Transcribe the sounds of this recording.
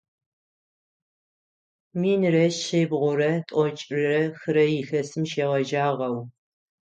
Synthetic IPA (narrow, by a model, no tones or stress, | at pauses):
miːnrɐʃejbʁʷʊɾɐtʷʼɔt͡ʃʼrɨrɐxɨɾɐjɪxɐsɨmʃeːʁɐʒaːʁɐw